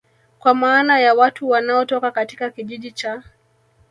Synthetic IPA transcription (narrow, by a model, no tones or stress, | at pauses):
kwamaːnajawatuwanaɔtɔkakatikakiʄiʄit͡ʃa